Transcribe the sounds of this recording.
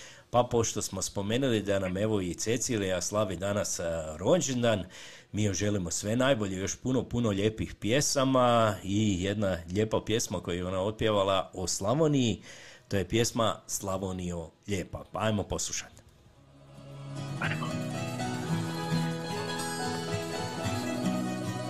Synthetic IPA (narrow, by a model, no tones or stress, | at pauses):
papo̞ʃt̪o̞smo̞spo̞me̞ːnulid̪aname̞ʋo̞it̪se̞t̪siɾiaslˠaʋid̪anasɾo̞d͡ʒend̪an | miːjoʒe̞limo̞sʋe̞najbo̞ʎejo̞ʃpuno̞puno̞ʎe̞ːpixpje̞samaije̞d̪naʎe̞ːpapje̞smako̞jejeo̞naot̪̚pjeʋalˠaoslˠaʋonijit̪o̞je̞pje̞smaslˠaʋonioʎe̞ːpapaajmo̞po̞slˠuʃḁt̪